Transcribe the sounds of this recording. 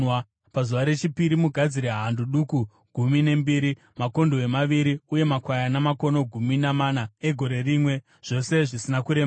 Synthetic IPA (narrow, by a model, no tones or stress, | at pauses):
pazuʋaɾe̞t͡ʃipiɾimuɡʱad͡ziɾeɦanduɗuku | ɡʱumine̞mbiːɾi | mako̞ndoe̞maʋiɾiuje̞makwajanamako̞no̞ɡʱuminamanae̞ɡʱo̞ɾe̞rimwe̞ | ʐ̥o̞se̞ʐisinakuɾe̞ma